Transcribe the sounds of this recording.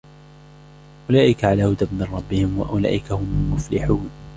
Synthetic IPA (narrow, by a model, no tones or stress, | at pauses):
ʔʊlaːʔɪkaʕalaːhʊd̪abmɪnˤrˤɑbːɪhɪmwa̰ʔʊla̰ːʔɪkahʊmʊlmʊflɪħuːn